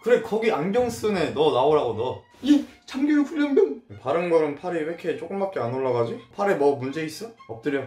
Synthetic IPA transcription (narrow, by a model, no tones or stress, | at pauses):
kɯɾe̞kʌɡianɡjʌŋs͈ɯne̞nʌnaoɾaɡonʌ | it͡ɕamɡojoɸuʎːʌŋbjʌpaɾɯnɡʌɾɯnpʰaɾiwekʰe̞t͡ɕ͈ok͈ɯmbak͈eanoɭːaɡad͡ʑipʰaɾe̞mʌmund͡ʑe̞is͈ʌʌp̚t͈ɯɾjʌ